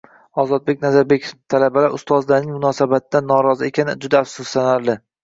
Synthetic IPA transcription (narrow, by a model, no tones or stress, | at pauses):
ɒzɒd̪̚be̞k̚ʲnazaɾbekʲʰt̪ʰalabalaɾʊst̪ɒzlanɪŋmʊnɒːsabat̪̚ʰɪd̪anːɒɾɒzɪe̞kʲʰanɪd͡ʒʊd̪aːfsʊsːanaɾlɪ